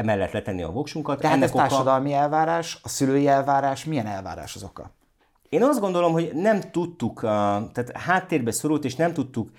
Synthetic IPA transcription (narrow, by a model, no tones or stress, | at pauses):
ɛmɛlːɛt̪lɛt̪ɛnːiɒ̰vo̞kʃuŋkɒt̪d̪ɛɦɛatnːɛotaːrʃɒd̪ɒlmiɛlvaːɾaːʃɒsyløːjiɛlvaːɾaːʃmijɛnɛlva̰ːɾa̰ːʃɒzokɒ̰ | eːnɒzd̪ɡo̞nd̪o̞lo̞mho̞ɟnɛmt̪ut̪ːukt̪aːt̪haːt̪ːeːrbɛso̞ɾult̪eːʃnɛmt̪ut̪ːuk